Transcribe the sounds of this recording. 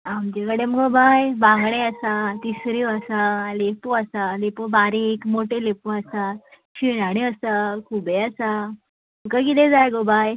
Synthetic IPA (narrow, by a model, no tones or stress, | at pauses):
amd͡ʑekəɽeməɡobajbãŋɡɽeasat̪isɾiwasalepoasalepobaɾekmoʈʰelepoasa | ɕinaɽ̃iəsakʰubeasa | mməkək̬it̪ẽd͡zajɡobaj